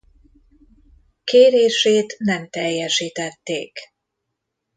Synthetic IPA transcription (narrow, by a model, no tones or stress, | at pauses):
keːɾeːʃeːt̪nɛmt̪ɛjːɛʃiːt̪ɛt̪ːeːk